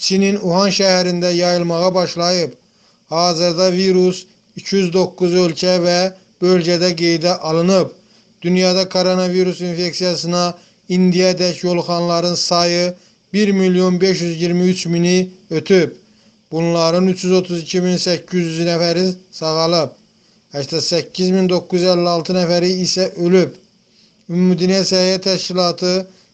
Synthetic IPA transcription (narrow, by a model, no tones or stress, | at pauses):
t͡ʃʰininuhɑnʃæhæɾind̪æjɑjɯlˠmɑʁɑbɑʃlˠɑjɯp | hɑːzɯɾd̪ɑviɾus | ycʰjyzd̪o̞kːuzø̞lcʰævæ | bø̞lɟæd̪æɡejd̪æʔɑlˠɯnɯp̚ | d̪ynjɑːd̪ɑkʰo̞ɾo̞nɑviɾusinfe̞ksijɑsɯnɑ | ind̪ijɑed̪æcjo̞lˠχɑnlˠɑɾɯnsɑjɯ | biɾmiljo̞nbe̞ʃjyzjiɾmiyt͡ʃminiø̞t̪ʰyp | b̥unlˠɑɾɯnyt͡ʃʰjyzo̞t̪ʰuzicʰiminsæcʰːyzjyznæfæɾisɑɣɑlˠɯp̚ | æʃt̪ɑsæcʰːizmind̪o̞kːujyzælːiɑlˠt̪ʰɯnæfæɾiːsæʔølyp | ymmyd̪inæsæijæt̪ʰæʃcilˠɑːt̪ʰɯ